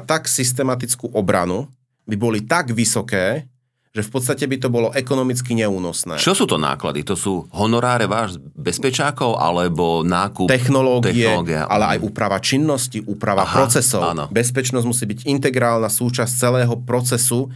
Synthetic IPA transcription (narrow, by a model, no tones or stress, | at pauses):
t̪aksist̪ɛmat̪it͡skuːʔɔbɾa̰nu | bibɔlit̪aɡʋisɔkɛː | ʒ̥ɛfpɔt̪t͡sst̪acɛbit̪̬ɔbɔlɔʔɛkɔnɔmit͡skiɲɛuːnɔsnɛ̰ːt͡ʃɔsuːt̪ɔna̰ːkla̰d̪it̪ɔsuːɦɔnɔɾaːɾɛʋaːʒzbɛspɛt͡ʃaːkɔʊʔa̰lɛbɔnaːkut̪ɛxnɔlɔːɡ̪t̪ɛiɛɡa̰a̰lɛʔa̰jʔuːpɾaʋat͡ʃinːɔsciʔuːpɾaʋapɾɔt͡sɛsɔanɔ̰bɛspɛt͡ʃnɔzmusiːbiɟint̪ɛɡɾaːlnasuːt͡ʃast͡sɛlɛːɦɔpɾɔt͡sɛsu